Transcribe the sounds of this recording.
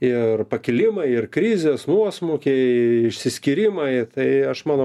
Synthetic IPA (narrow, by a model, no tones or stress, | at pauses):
ɪrpɐkʲɪlʲɪmɐɪɪrkɾʲiːzʲeːsnuɔsmukʲɛɪɪʃʲsʲɪsʲkʲɪɾʲɪmɐɪt̪ɐɪɐʃmɑːno